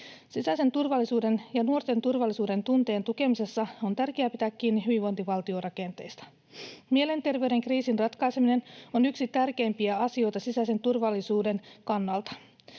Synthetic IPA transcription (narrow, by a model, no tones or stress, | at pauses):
sisæjse̞nt̪urʋɑlːisuːde̞njɑnuo̞rt̪e̞nt̪urʋɑlːisuːde̞nt̪unt̪e̞ːnt̪uke̞mise̞sːɑo̞nt̪ærkeæpit̪ækːiːnːiɦyʋiʋo̞nt̪iʋɑlt̪io̞rɑke̞nt̪e̞jst̪ɑ̥ | mie̞le̞nt̪e̞rʋeyɾe̞ŋkriːsinrɑt̪kɑjsemine̞nonyksit̪ærke̞ːmpiæɑsio̞jt̪ɑsisæise̞nt̪urʋɑlːisuːde̞nkɑnːɑlt̪ɑ̥